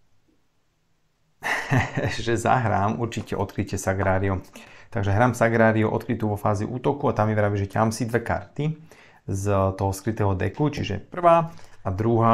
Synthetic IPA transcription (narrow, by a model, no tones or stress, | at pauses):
ʒɛza̰ɦɾaːmʔuɾt͡ʃicɛʔɔt̪kɾicɛsaɡɾaːɾiut̪aɡʒɛɦɾaːmsaɡɾaːɾiuʔɔ̰t̪̚kɾit̪uːʋɔfaːziʔuːt̪ɔkuat̪amːɛʋɾaʋiʒɛcamsid̪ʋɛka̰ɾt̪i | zt̪ɔɦɔskɾit̪ɛːɦɔd̪ɛ̰kut͡ʃiʒɛ̰pr̩ʋaːad̪ɾuɦaː